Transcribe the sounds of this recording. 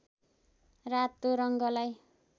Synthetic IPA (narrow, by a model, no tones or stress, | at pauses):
rat̪ːoɾʌŋɡʌlaj